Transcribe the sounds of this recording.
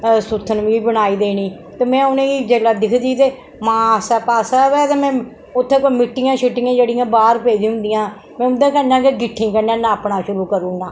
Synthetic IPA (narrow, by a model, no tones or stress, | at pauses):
sʊt̪ʰːənʋĩːbəɽaːiːd̪eːniː | t̪eːmɛ̃ːʊnẽːiːd͡ʒeːlaːd̪ɪkʰd̪iːt̪eː | mãːsɛːpaːsɛːʋɛːt̪eːmɛ̃ː | ʊt̪ʰːẽːkomɪʈːɪjãːʃɪʈːɪjãːd͡ʒeːɽɪjãːbaːɾpeːd͡ʒĩːɦʊ̃nd̪ɪjãː | mɛ̃ːʊnd̪ãːkənãːkeɡɪʈʰːĩːkənãːnãːəpɳaːʃʊɾuːkəɾuːnãː